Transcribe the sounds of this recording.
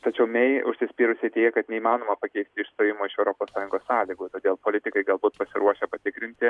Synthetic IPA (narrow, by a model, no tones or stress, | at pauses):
t̪ɐt͡ʃʲɛʊmʲɛɪʊ̰ʃʲsʲɪsʲpʲiːɾʊsʲeɪt̪ʲeːjɛkɐt̪nʲɛiːmɑːnoːmɐpɐkʲɛɪsʲt̪ʲɪɪʃst̪oːjɪmoːɪʃɛʊɾoːpoːssɑːjʊ̃ŋɡoːssɑːlʲiːɡuːt̪oːd̪ʲeːlˠpoːlʲɪt̪ʲɪkɐɪɡɐlˠbuːt̪pɐsʲɪɾuɔʃʲɛpɐt̪ʲɪkɾʲɪnʲt̪ʲɪ